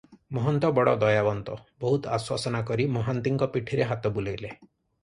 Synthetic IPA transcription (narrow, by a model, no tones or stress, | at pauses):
mɔɦɔnt̪ɔbɔɽɔd̪ɔjabɔnt̪ɔbɔɦut̪a̰swasɔnakɔɾimɔɦant̪iŋkɔpiʈʰiɾeɦat̪ɔbulejle